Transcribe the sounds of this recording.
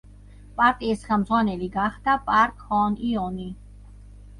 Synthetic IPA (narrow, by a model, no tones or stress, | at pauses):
pʼaɾt̪ʼiɛsχamzwanɛliɡaχd̪apʼaɾkʰhɔːniɔni